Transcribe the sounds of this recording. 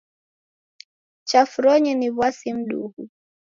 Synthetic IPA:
t͡ʃafuɾɔɲiniβwasim̩ɗṵhu

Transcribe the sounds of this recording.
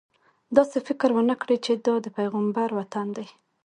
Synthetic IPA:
d̪ɑsefɪkɾwənakɽəjt͡ʃed̪ɑd̪əpajɣambaɾwat̪and̪aj

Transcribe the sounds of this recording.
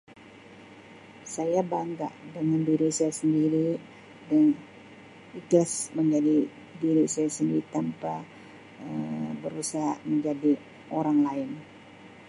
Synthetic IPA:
sajabaŋɡa̰ʔdəŋandiɾisajasəndiɾi | dan | iklasməɲd͡ʒadi | diɾisajasəndiɾit̪ampa | əbəɾusaɦaməɲd͡ʒadi | ʔoɾaŋlaɪn

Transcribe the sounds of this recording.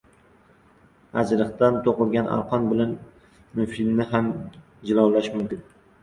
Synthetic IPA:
ad͡ʒɾɨqt̪ant̪ʰoqɨlˠɡʲanʔa̰lqʰɒnbɪlan | nʊfilnɪham | d͡ʒɪlˠawlaʃmʊmkʲɪn

